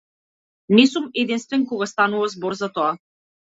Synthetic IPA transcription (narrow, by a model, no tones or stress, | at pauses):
nɛsumɛd̪inst̪vɛnkɔɡast̪anuvazbɔɾzat̪ɔa